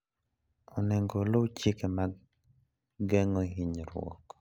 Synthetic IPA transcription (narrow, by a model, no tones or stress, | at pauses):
ɔnɛŋɡolowt͡ʃɪkema | ɡɛŋoɦiɲɾwɔ̰k